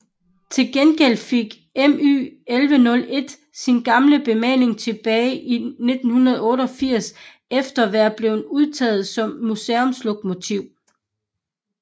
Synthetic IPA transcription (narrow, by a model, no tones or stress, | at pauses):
t͡sʰe̝lɡ̥enɡ̥el̰d̥feɡ̥ | emy̰ːelʋənɔ̽le̝d̥ | sinɡ̥ɑ̈mləb̥e̝mɛ̰ne̝ŋt͡sʰe̝b̥ɛːɪʔine̝d̥n̩hunɐð̞̩ˠɔ̽ːɾəɒ̽fiɐ̰s | efd̥ɐʋæɐb̥le̝ʊuð̞ˠt͡sʰɛ̰ːð̞̩ˠsɒ̽mːuseɔmslɔɡ̥mo̝t͡sʰiʊ̰